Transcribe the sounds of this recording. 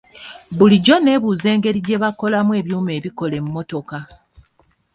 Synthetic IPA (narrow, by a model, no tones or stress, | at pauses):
βuliɟo̞ne̞ːβuːze̞ːŋɡe̞ɾiɟe̞βako̞lamwe̞ːβjuːme̞ːβiko̞le̞muːo̞to̞ka